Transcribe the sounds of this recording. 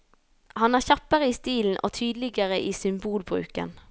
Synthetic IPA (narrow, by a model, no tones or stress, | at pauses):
hɑnæːʁçɑpəʁəiːst̪iːln̩ʔo̰ːt̪ʰyːd̪lɪɡəʁəʔiːsʏmbuːlbʁʉ̰ːkə̰n